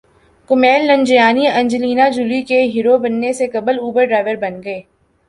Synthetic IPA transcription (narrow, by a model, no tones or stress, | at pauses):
kʊmɛːlːɐ̃ɲd͡ʒɪjaːniɐ̃ɲd͡ʒliːnad͡ʒʊlikeɦiːɾobɐnːesekɐbəluːbəɾɖɾaːɪʋəɾbɐnɡɐeː